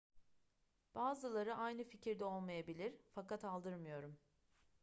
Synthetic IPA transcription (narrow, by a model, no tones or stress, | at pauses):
b̥aːzɯlˠaɾɯʔajnɯficʰiɾd̪ɛo̞lˠmajabilʲiɾ̥fakat̪alˠd̪ɯɾmɯjo̞ɾum